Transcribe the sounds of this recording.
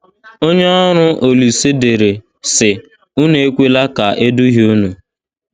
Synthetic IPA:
o˦ɲe˦ɔ˦ɾʊ˦ʔo˨li˨se˦de˨ɾe˨ | sɪ˨ | ʊ˦ne˨e˦kʷe˦la˦ka˨e˦du˦ɦi˦u˦nu˨

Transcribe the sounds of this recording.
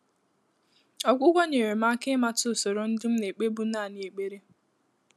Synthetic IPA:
ɔ˨ɡʷʊ˦ɡʷo˦ɲe˨ɾe˨m̩˦a˦kɪ˦ma˦tʊ˦˨so˨ɾo˨n̩˦dɪ˦m̩˦ne˨k͡pe˦bu˦na˦˨n˨e˨k͡pe˦ɾe˦

